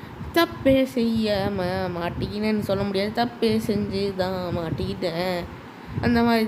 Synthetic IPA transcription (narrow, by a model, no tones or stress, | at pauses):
t̪ɐpːeːsɛjːamamaːʈːɯkɪʈːɐ̃nːɯsɔlːɐmʊɽɪjaːðɯt̪ɐpːeːsɛɲd͡ʒɯt̪ãːmaːʈːɪɣɪʈːẽː | ʔɐnd̪ɐmaːd̪ɾi